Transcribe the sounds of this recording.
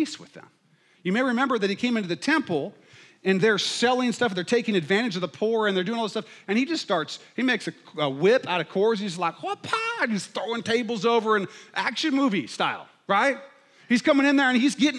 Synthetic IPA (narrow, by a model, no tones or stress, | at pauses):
iswɨ̰ðə̰̃m | jɨmeɪɹɨmɛ̃mbə˞ðɨt̚hikʰẽɪ̃mɪ̃ntɨðɨtʰɛ̃mpl̩ˠ | ɨ̃nðə˞sɛlˠɪ̃ŋstʌfðə˞tʰeɪkɪ̃ŋɨdvæ̃ɾ̃ɨd͡ʒʌvðəpʰuɹɨ̃nðə˞dʉɪ̃ŋɔlˠðəstʌfɨ̃nid͡ʒʌststɑɹtshimeɪksɨəwɪpaʊɾʌv̥kʰɔɹsnid͡ʒʌslaɪkwʌpʰɑiz̥θɹoʊɪ̃ŋtʰeɪbl̩ˠzoʊvə˞ɨ̃nʔækʃɨ̃nmuvistaɪlˠ | ɹaɪt̚ | hiz̥kʰʌ̃mɪ̃ŋɨ̃nðə˞ɨ̃nizɡɛɾɪ̃